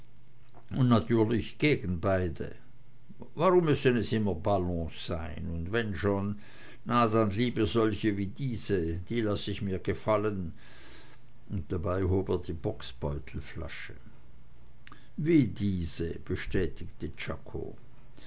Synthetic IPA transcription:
ʊntnatʰyːɐlɪçɡ̥eːɡn̩baɪdə̰ | vaʁʊmːʏsənɛsʔɪmɐbalɔ̃sz̥aɪnʊntvɛnʃoːnː | adanliːbəzɔlçəviːdiːzəd̥iːlasəɪçmiːɐɡ̥əfalən | ʊnt̚d̥abaɪɦoːbeɐdiːbɔksb̥ɔʏtʰl̩fla̰ʃə | viːdiːzəb̥əʃtɛːtɪktət͡ʃa̰kʰo̰

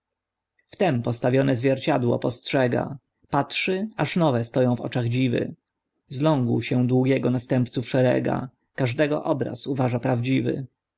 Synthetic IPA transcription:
ft̪ɛmpɔst̪avʲjɔnɛzvʲjɛɾt͡ɕad̪wɔ̰pɔstʂɛɡa̰ | patʂɘaʂnɔvɛst̪ɔjɔ̃w̃vɔ̰t͡ʂaɣd͡ʑivɘ̰ | zlɔ̃ŋɡwɕɛd̪wuɡʲjɛɡɔnast̪ɛmp̚t̪sufʂɛɾɛ̰ɡa̰ | kaʐd̪ɛɡɔ̰ʔɔbɾa̰suvaʐapɾavd͡ʑivɘ̰

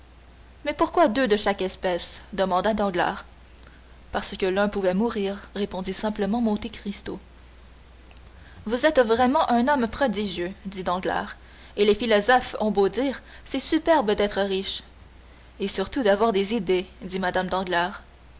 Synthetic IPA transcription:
mɛpuʁkwad̪ød̪əʃakɛspɛsd̪əmɑ̃d̪ad̪ɑ̃ɡla̰ːʁ | paʁsəkʲəlœ̃puvɛmuʁiːʁːepɔ̃d̪isɛ̃pləmɑ̃mɔ̃t̪ekʁist̪o | vuzɛt̪vʁɛmɑ̃ʔɛ̃nɔmpχɔd̪iʒjød̪id̪ɑ̃ɡla̰ːʁ | elefilɔzɔfɔ̃bod̪iːʁ | sɛsypɛʁbd̪ɛt̪χəʁiʃ | esyʁt̪ud̪avwaʁd̪ezid̪ed̪imad̪amd̪ɑ̃ɡlaːʁ

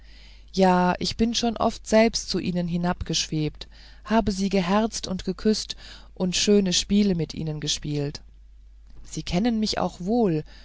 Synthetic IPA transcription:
jaːʔɪçb̥ɪnʃoːnʔɔ̰ftz̥ɛlpstt͡suʔiːnənɦɪnapɡ̥əʃv̥eːp̚t | haːbəziːɡəɦɛɐt͡stʊntɡ̥əkʰʏst | ʔʊntʃøːnəʃpiːləmɪtʔḭːnənɡəʃpiːlt | z̥iːkʰɛnənmɪçʔa̰ʊxv̥oːl

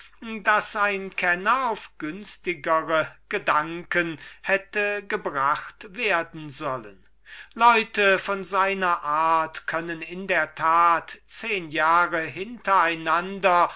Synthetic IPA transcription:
dasaɪnkʰɛnɐaʊfɡ̥ʏnstɪɡəʁəɡ̥ədaŋkənhɛtəɡəbʁaχtv̥eːɐdn̩zɔlən | lɔʏtəfɔnzaɪnɐʔaɐtkʰœnənɪndeːɐtʰaːtt͡seːnjaːʁəɦɪntɐaɪnandɐ

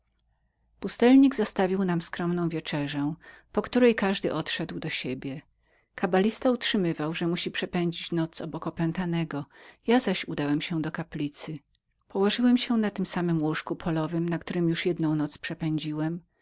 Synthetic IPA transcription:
pust̪ɛlɲiɡzast̪avʲiwnamskɾɔmnɔ̃w̃vʲjet͡ʂɛʐɛpɔkt̪uɾɛjkaʐd̪ɘ̰ʔɔt̪ʂɛd̪wd̪ɔɕebʲjɛ | kabalʲist̪autʂɘmɘvawʐɛmuɕipʂɛpɛɲd͡ʑit͡ɕnɔt̪sɔbɔkɔpɛnt̪anɛɡɔjazaɕud̪awɛmɕɛd̪ɔkaplʲit̪sɘ | pɔwɔʐɘwɛmɕɛnat̪ɘmsamɘmwuʂkupʰɔlɔvɘmnakt̪uɾɘmjuʂjɛd̪nɔ̃w̃nɔt̪spʂɛpɛɲd͡ʑiwɛm

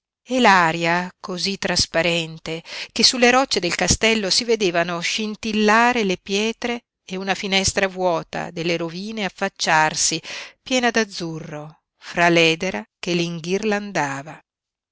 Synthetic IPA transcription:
ɛlaːɾjakozit̪ːɾaspaɾɛnt̪ekesːulːeɾɔt͡ʃːed̪elkast̪ɛlːosived̪eːvanoʃint̪ilːaːɾelepjɛːt̪ɾeː | unafinɛst̪ɾavwɔːt̪a̰d̪elːeɾoviːneafːat͡ʃːarsipjɛːnad̪ad̪zːurːo | fɾalɛːd̪eɾakeliŋɡirland̪aːva

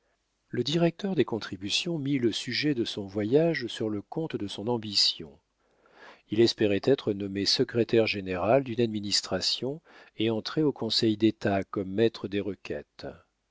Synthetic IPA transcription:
ləd̪iʁɛk̚t̪œʁd̪ekɔ̃t̪χibysjɔ̃miləsyʒɛd̪əsɔ̃vwajaʒsyʁləkɔ̃t̪d̪əsɔ̃nɑ̃bisjɔ̰̃ | ilɛspeʁɛt̪ɛt̪χənɔmesəkχet̪ɛʁʒeneʁald̪ynad̪minist̪χasjɔ̃eɑ̃t̪χeokɔ̃sɛjd̪et̪akɔmːɛt̪χəd̪eʁəkʲɛ̰t̪

